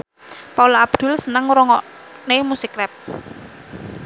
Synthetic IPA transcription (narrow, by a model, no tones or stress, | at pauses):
paulɔab̥d̪̥ʊ̤lsənəŋɾɔŋɔʔ | nemusikrɛp̚